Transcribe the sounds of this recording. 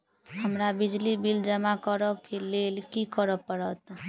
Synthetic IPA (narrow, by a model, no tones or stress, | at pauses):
həmɾabid͡ʒlibild͡ʒəmakəɾəkelelkikəɾəpəɾət̪